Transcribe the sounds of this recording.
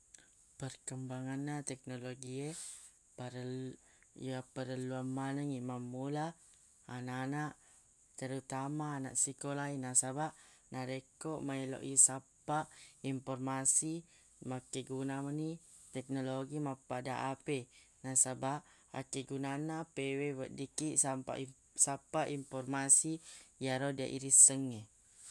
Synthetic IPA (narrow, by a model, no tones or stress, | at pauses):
pərkəmbaŋanːat̪ɛk̚noloɡie | paɾ | japəɾəluamːanəŋimamːulaː | nanaʔ | t̪əɾut̪amaːna̰ʔsikolainasabaʔnaɾekoʔmailo̰ʔjisapaʔimpɔrmasi | makːeɡunaməni | t̪ɛk̚noloɡimapːadaʔape | nasabaʔ | a̰keɡunanapewewəʔdikiʔsampa̰ʔ | sapaʔimpɔrmasijaɾodia̰ʔḭɾisəŋːe